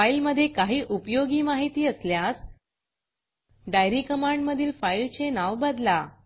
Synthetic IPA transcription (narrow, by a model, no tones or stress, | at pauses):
ailməd̪ʱːjekaɦiːʔupjoɡiːmaɦit̪iːəsljas | ɖajɾiːkəmãɳɖməd̪ʱiːlfailt͡senaʋbəd̪la